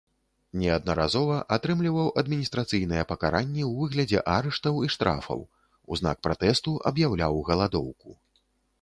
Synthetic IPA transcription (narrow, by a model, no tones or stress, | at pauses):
nʲɛɐd̪nɐɾazɔvɐʔat̪ɾɨmlʲivɐwʔɐd̪mʲinʲist̪ɾat̪sɨjn̪ɨjɛpɐkaɾanʲːɛwvɨɣlʲɐd͡zʲɛ̰ʔaɾɛʂt̪ɐwiʂt̪ɾa̰fɐ̰w | uzna̰k̚pɾat̪ɛst̪uʔɐ̰bjawlʲawɣɐlˠad̪ɔwku